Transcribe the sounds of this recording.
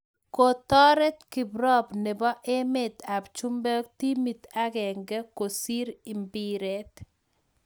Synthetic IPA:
ko˨t̪ɔ˦ɾɛ˦t̪kɪ˨bɾɔ˦bnɪ˨bɔ˦ʔe˦met̪a˨bt͡ʃu˦mbɛ˦k̚t̪i˦mi˨t̪a˦ɡɛ˨ŋɡɛ˦ko˨si˦ɾi˨mbiɾet̪

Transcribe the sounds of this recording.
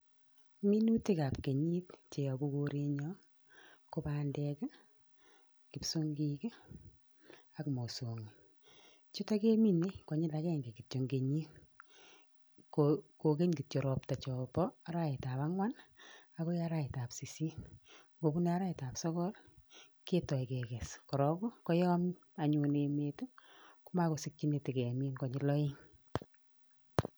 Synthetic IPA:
mi˦nu˦ti˦ka˨pke˨ɲi˦t̚t͡ʃe˨a˨ku˦koɾe˦ɲɔ˦ | ko˦pa˨ndɛ˦k | kɪ˨psu˦ŋɡi˦k | a˨kmo˨so˨ŋi˨ | t͡ʃu˦ta˦ke˦mi˦ne˦kɔ˨ɲɪ˦la˨kɛ˦ŋɡe˨ki˨tt͡ʃo˨ŋɡe˨ɲi˦n | koko˨ke˦ɲɡi˨jo˨ɾɔ˨p̚ta˨t͡ʃɔ˨pɔ˦a˦ɾa˦ɪ˨ta˨pa˦ŋwa˦na˦ko˦ja˦ɾa˦ɪ˨ta˨psi˨si˦ | ɡo˨pu˦ne˨a˦ɾa˦ɪ˨ta˨psɔ˦kɔ˦l | ke˦tɔ˨i˨kɛ˨kɛ˨skɔ˨ɾɔ˦ko˦kɔ˦jɔ˦m | a˨ɲu˨ne˨metu˦ku˦ma˦ko˨si˦kːi˦ne˨ti˨ke˨mi˦nkɔ˨ɲɪ˦lɔ˦ɪ˦ŋ

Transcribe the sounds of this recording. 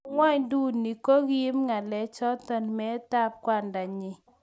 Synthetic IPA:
ŋwa˦ɲdu˦nːi˨ko˦ɡi˦mŋa˨lɛ˨t͡ʃɔ˦t̪ɔ˦nmɛ˦ta˦p̚kwa˦˨nda˨ɲɪ˨

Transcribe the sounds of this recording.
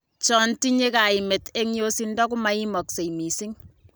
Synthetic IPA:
t͡ʃɔ˦nti˦ɲe˦ka˨ɪ˨me˨te˦ŋjo˦si˦ndɔ˦k̬u˦ma˦i˦mɔ˨kse˨imi˨si˦ŋ

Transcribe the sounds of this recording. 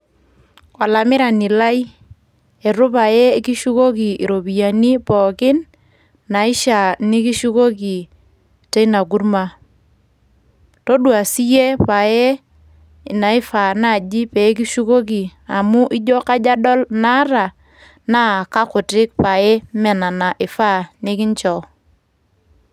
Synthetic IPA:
wa˨la˨mɪ˦ɾa˨nɪ˨la˦j | e˨ɾʊ˦pa˨je˦ki˦ʃu˦ko˦ki˨i˨ɾo˨bi˨ja˨ni˦pɔ˨kɪ˦nː | na˨ɪ˦ʃa˨ni˦ki˦ʃu˦ko˦ki˨ | te˦ina˨k̬u˦rma˨ | to˦dwa˨si˦je˦pa˨je˦˨ | na˨ɪ˦fa˨na˦˨d͡ʒi˦pe˨˦k̬i˦ʃu˦ko˦k̬i˨a˨mʊ˦ʔɪ˦d͡ʒɔ˦ka˦d͡ʒa˦dɔ˦lna˦ɾa˨ | na˦˨ka˦kʊ˨tɪ˦k̚pa˨je˦mɛ˨na˨na˨ʔɪ˨fa˦˨nɪ˦kɪ˦ɲt͡ʃɔ˨

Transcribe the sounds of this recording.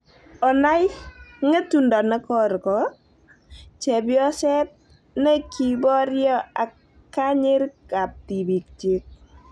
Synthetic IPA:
ɔ˨na˦jŋe˦tu˨ndɔ˨na˦kɔ˦ɾkɔ˨ | t͡ʃɛ˨bjɔ˦sɛ˦t̚ | ne˦ki˨bɔ˦ɾjɔ˦a˨ | kːa˦ɲɪ˦ɾka˨p̚ti˨bi˨k̚t͡ʃɪ˦k̚

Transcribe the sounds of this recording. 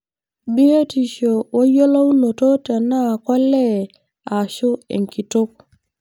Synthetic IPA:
bi˦e˦ti˨ʃo˨wo˦jo˦la˦wu˦no˨to˦ta˨na˦˨kɔ˦lɛ˦˨ | a˨ʃʊ˦ḛ˨ŋki˨tʊ˦k̚

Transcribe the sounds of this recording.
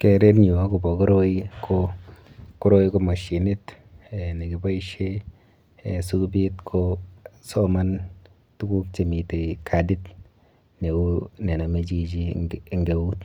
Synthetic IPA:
ke˨ɾe˦pɲi˨wa˦ku˨bɔ˨ko˦ɾo˦i˦kʰo˧ | ku˦ɾo˦i˦ko˧ma˨ʃi˨ni˦t | e˨ni˨ki˨ba˦i˦ʃe˦˨ | su˦bi˦tkʰo˦so˦ma˦n | tu˦ku˦k̚t͡ʃe˨mi˨te˨kʰa˨di˦t | ne˨u˦ne˨na˨me˦t͡ʃi˦t͡ʃi˦˨ŋɡe˨u˦t

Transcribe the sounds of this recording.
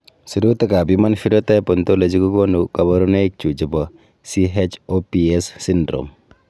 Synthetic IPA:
su˨ɾu˦t̪e˦ka˨bi˦ma˦nfi˦ɾɔ˦ta˦pɔ˨nto˦le˨t͡ʃi˦ku˦ko˦nu˨ka˨bɔ˦ɾɔ˦ne˦i˦k̚t͡ʃu˨t͡ʃi˨pɔ˨ | si˦ɦe˦t͡ʃopi˨e˦sːi˦ndɾo̰˨m

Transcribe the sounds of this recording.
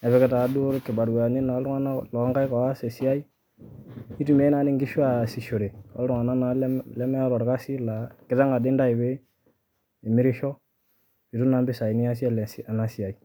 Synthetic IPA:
ɛ˨βɛ˨˦kɛ˦ta˨˦du˦ɾkɪ˨ba˨ɾwa˨ni˦na˨˦lɾu˦ŋa˦na˦lɔ˨˦ŋka˦jka˨wa˦sɛ˨si˦a˦i˦ | i˦tu˨me˦na˨˦nɪ˦ŋɡɪ˦ʃu˦a˦˨si˨ʃo˨ɾe˨a̰˦lɾʊ˦ŋa˨na˦na˨llɛ˦mɛ˦lɔ˨ɾka˦si˦la˨kɪ˨ta˦ŋa˨dɪ˦nda˦i˨be˦ | e˨mɪ˦ɾɪ˦ʃɔ˦ | i˨tu˦na˨˦mbɪ˦sa˨i˨ni˦a˦s̬i˦a˦lɛ˨sa˨na˦si˨ja˨i˨

